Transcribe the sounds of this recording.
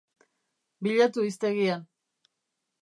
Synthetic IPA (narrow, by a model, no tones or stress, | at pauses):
biʎat̪uist̪e̞ɣian